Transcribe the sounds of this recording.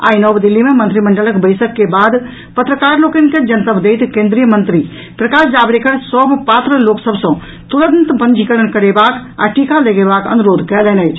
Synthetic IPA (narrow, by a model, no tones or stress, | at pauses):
a̰ːinɔbd̪ɪlːimẽmɐ̃nt̪ɾimɐ̃ɳɖələkbəɪsəkːebaːd̪ | pət̪ɾəkaːɾloːkənked͡ʒɐnt̪əbd̪eɪt̪kẽːnd̪ɾijəmə̃nt̪ɾi | pɾɐkaːsd͡ʒaːbɽekəɾsɔbpaːt̪ɾəloːksəbsɔ̃ | t̪uɾənt̪bə̃nd͡ʒʱikəɽənkɐɾebaːka̰ːʈʰikaleɡebaːkɐ̰nuɾoːd̪ʱkɐlɛːnəit͡ʃʰ